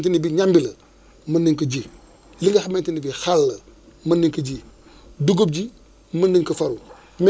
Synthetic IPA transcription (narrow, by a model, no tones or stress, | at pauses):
ntinibiɲambilə | mɐndiŋkəd͡ʒi | liŋɡɐxamentinibixalːə | mɐndiŋkəɟi | duɡob̚d͡ʒi | məndiŋkəfɐɾu | m